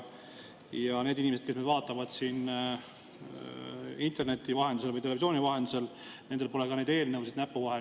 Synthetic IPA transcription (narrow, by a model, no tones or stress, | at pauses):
jɑne̞ːd̪inimeskesmed̪vɑːt̪ːˑɑvɑd̪̥siːn | int̪e̞rne̞t̪ːˑivɑɦe̞nd̪us̬elvɯjt̪̬eevis̬ʲio̞ːnivɑɦe̞nd̪̥use̞lne̞nd̪elpo̞le̞kɑneːd̪e̞ːlnɤwsid̪næpːuvɑɦe